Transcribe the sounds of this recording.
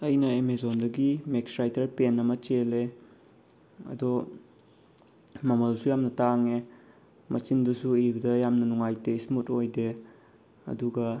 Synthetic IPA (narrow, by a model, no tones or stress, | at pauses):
ɐjnɐemezondɐɡimeksɾajtɐɾpenɐmɐt͡ʃele | ɐ̰dɔ | mɐmɐlsujamnɐtaŋe | mɐt͡ʃindusuibɐdɐjamnɐnuŋajteismutojde | ɐ̰duɡɐ